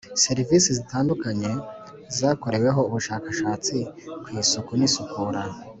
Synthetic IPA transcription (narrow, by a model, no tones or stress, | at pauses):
se̞ɾivisizitaːndukaɲe̞ | zaːko̞ɾe̞we̞ɦo̞uβuʃaːkaʃaːt͡sikwiːsokunisukʰuɾa